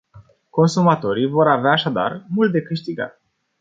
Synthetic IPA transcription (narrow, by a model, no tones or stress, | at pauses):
ko̞nsumat̪o̞ɾijvo̞ɾaveaːʃad̪a̰rmult̪̚d̪e̞kɨʃt̪iɡa̰t̪